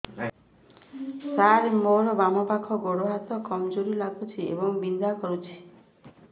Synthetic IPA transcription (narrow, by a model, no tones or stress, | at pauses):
saɾmoɽɔbamɔpakʰɔɡoɽoɦat̪ɔkɔmd͡ʒoɾilaɡut͡ʃʰiḛbɔŋbind̪akɔɾut͡ʃʰi̥